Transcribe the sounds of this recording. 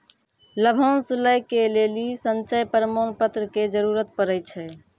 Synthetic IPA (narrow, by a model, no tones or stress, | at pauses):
ləbʱonsuləjkelelisənt͡ʃəjpəɾəmonpət̪ɾəked͡ʒəɾuɾət̪̚pəɾəjt͡ʃʰɛ